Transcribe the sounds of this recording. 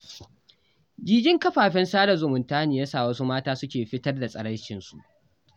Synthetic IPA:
d͡ʒiː˦ɡʲɪ˦ŋkɐ˦ɸaː˨ɸɪ˦nsaː˦da˨zʊ˨mʊ˨ntaː˦niː˨jaː˦saː˨wɐ˦su˦maː˦taː˦sʊ˦kʲeː˨ɸɪ˦tɐ˦rda˨sʼɐ˨ɽɐ˦t͡ʃɪ˨nsu˨ʔ

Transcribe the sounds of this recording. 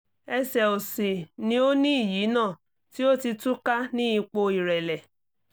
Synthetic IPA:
ɛ˧sɛ˨o˨si˨nĩ˧˦o˦nĩ˦i˦˨ji˨˦nãː˦˨ | ti˦o˦ti˧tũ˦ka˦nĩ˦i˧k͡po˧i˨ɾɛ˨lɛ˨

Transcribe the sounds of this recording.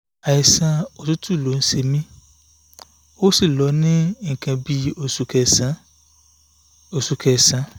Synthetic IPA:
a˨i˨sã˧o˨tu˦tu˦˨lo˨˦n̩˦ʃe˧mĩ˦ | o˦si˦˨lɔ˨˦nĩ˦ŋ̩˨kã˧bi˦o˧su˧kɛ˧sã˨˦ | o˨su˧kʰɛ˧sã˨˦

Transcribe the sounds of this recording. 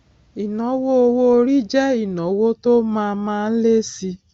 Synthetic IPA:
i˨nɔ̃˨˦wo˦o˧wo˦o˧ɾi˦d͡ʒɛ˦i˦˨nɔ̃˨˦wo˦to˦mãː˧mãː˦˧n̩˦le˦si˧

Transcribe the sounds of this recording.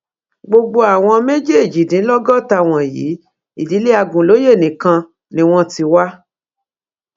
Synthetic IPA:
ɡ͡bo˧ɡ͡bo˧a˨w̃ɔ̃˧me˦d͡ʒe˦˨d͡ʒi˨dĩ˨˦lɔ˦ɡɔ˦˨ta˧w̃ɔ̃˨jḭː˨˦ | i˦˨di˨˦le˦a˧ɡũ˨lo˨˦je˦˨nĩ˨kã˧ | nĩ˧w̃ɔ̃˦ti˧wa˦

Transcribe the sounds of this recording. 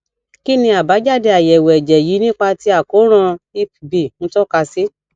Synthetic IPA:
ki˦nĩ˧a˨ba˨˦d͡ʒa˦˨de˨a˨jɛ˨wɛ˨d͡ʒɛ˨ji˨˦nĩ˦k͡pa˧ti˧a˨ko˨˦ɾ̃ã˧i˦pbi˨ñ̩˨˦tɔ˦ka˧si˦

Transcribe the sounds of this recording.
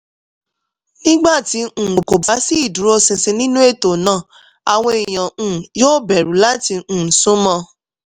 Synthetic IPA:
nĩ˦ɡ͡ba˦˨tĩ˧˨o˨ko˨ba˨˦si˦i˦˨dũ˨˦ɾo˧sĩ˧se˧nĩ˦nũ˦e˦˨to˨nãː˦˨ | a˨w̃ɔ̃˧i˨j̃ã˨jo˦bɛ˨ɾũ˨˦la˦tĩ˧˨sũ˦mɔ̃˧

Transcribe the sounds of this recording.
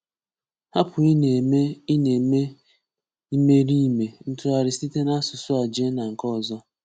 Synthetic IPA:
ha˦pʰʊ˨i˦n˨me˦i˦ne˨me˦ | i˦me˦ɾi˦˨me˨n̩˦tʊ˦a˨ɾɪ˨si˦te˦na˦sʊ˨sʊ˦a˨d͡ʒe˦na˨ŋ̩˨kɔ˦˨zɔ˦

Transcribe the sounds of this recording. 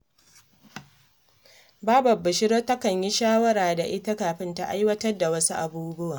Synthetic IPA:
baː˦bɐ˨bːɪ˨ʃɪ˦ɽoː˦tɐ˦kɐ˨ɲji˦ʃaː˦wɐ˦ɾaː˨da˨ʔɪ˦ta˦kaː˨ɸɪ˦nta˦ʔa˦jwɐ˦tɐ˦rda˨wɐ˦su˦ʔa˨buː˦bʊ˦waː˨

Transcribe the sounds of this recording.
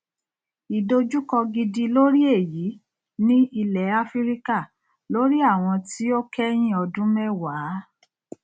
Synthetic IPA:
i˨do˧d͡ʒu˦kɔ˧ɡi˧di˧lo˦ɾi˦e˦˨ji˨˦ | nĩ˦i˧lɛ˨˦a˦fi˦ɾi˦ka˦˨ | lo˨˦ɾi˦a˦˨w̃ɔ̃˧ti˦o˦kʰɛ˦j̃ĩ˦˨ɔ˧dũ˦mɛ˦˨waː˨˦

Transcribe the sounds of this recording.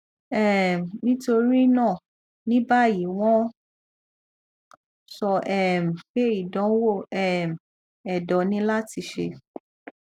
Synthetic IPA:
ɛ˦˨m̩˨nĩ˦to˧ɾi˦nã˦˨ | nĩ˦ba˦˨ji˨˦w̃ɔ̃˦ | sɔ˧ʔɛ˦˨m̩˨k͡pe˦i˨dɔ̃˨˦wo˦˨ɛ˦˨m̩˨ | ɛ˨dɔ˨˧nĩ˦la˦ti˧ʃe˧

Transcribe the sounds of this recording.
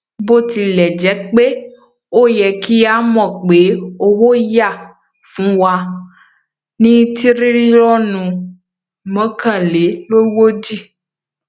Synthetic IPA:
bo˦˨t̪i˨lɛ˨d͡ʒɛ˨˦k͡pe˦ | o˦jɛ˨ki˦a˦mɔ̃˨k͡pe˨˦o˦wo˦ja˦˨ | fũ˨˦wa˨ | nĩ˦t̪i˦ɾi˦ɾi˦lɔ˦nũ˨ | mɛ̃˦kã˨le˨˦lo˦wo˦d͡ʒi˦

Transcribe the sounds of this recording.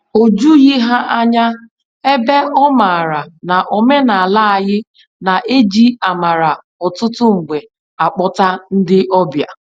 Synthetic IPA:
o˨d͡ʒu˦ɣi˦ɦa˦ʔa˦ɲa˦ | e˦be˦ɔ˦ma˨ɾa˨na˨ʔɔ˨me˦na˨a˨la˦a˨ɣɪ˦ | na˨ʔe˦d͡ʒi˦a˨ma˨ɾa˨ | ɔ˨tʊ˦tʊ˦ŋ͡m̩˨ɡ͡be˨ | a˨k͡pɔ˦ta˦n̩˦dɪ˦ʔɔ˦bja̰˨

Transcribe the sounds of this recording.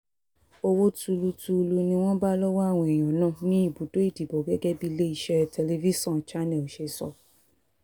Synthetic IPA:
o˧wo˦tu˧lu˧tu˧lu˧nĩ˧w̃ɔ̃˦ba˦lɔ˦wa˦a˦˨w̃ɔ̃˧i˨j̃ɔ̃˨nã˦˨nĩ˦i˦˨bu˨˦do˦i˦˨di˨bo˨ɡɛ˦ɡɛ˦bi˦le˦i˦˧ʃɛ˦tʰɛ˧le˧vi˦sɔ̃˦˨t͡ʃa˦nɛ̃˨o˨ʃe˧sɔ̰˨˧

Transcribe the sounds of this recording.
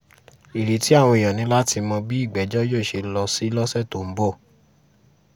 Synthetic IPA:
i˨ɾe˨ti˨˦a˦˨w̃ɔ̃˧i˨jɔ̃˨nĩ˧˦la˦ti˧mɔ̃˧bi˦i˦˨ɡ͡bɛ˨˦d͡ʒɔ˦jo˦˨ʃe˧lɔ˧si˦lɔ˦sɛ˦˨to˨m̩˨˦bɔ˦˨

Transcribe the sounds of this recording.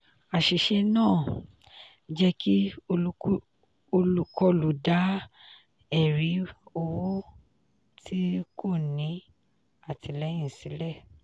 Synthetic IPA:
a˨ʃi˨ʃɛ˧nãː˦˨ | d͡ʒɛ˦ki˦o˧˦ | o˧lu˧kɔ˧lu˨da˨˦ | ɛ˨ɾi˨˦o˧wo˦ | tʰi˦kʰo˦˨nĩ˨˦ | a˦˨tʰi˨˧lɛ˨˦j̃ĩ˦˨sĩ˨˦lɛ˦˨

